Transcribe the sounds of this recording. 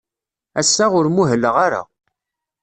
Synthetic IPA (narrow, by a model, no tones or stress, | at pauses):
æsːaʁʊɾmuɦəlːəʁaɾa̰